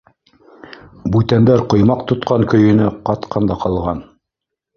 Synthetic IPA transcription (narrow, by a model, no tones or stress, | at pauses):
bʉt̪ænd̪æɾqŏjmɑqt̪ŏt̪qʰɑŋkɵ̆jɵ̆nɘqɑt̪qʰɑnd̪ɑqɑlˠʁɑn